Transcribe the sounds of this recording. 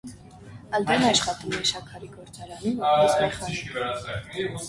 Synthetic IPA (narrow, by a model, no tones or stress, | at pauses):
ɑld̪ɛnɑʃχɑt̪umɛʃɑkʰɑɾiɡɔɾt͡sɑɾɑnumɛχɑvɛɾɑt͡sɛ